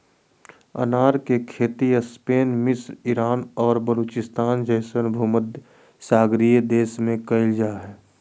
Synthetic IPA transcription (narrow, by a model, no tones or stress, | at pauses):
ə̰naːɾkekʰeːt̪iəspeːnmɪsɾɪɾaːnɔːɾbəluːt͡ʃɪst̪aːnd͡ʒəɪsənbʱuməd̪ | saːɡɾijəd̪eːsmẽkɐɪld͡ʒaːɦɛː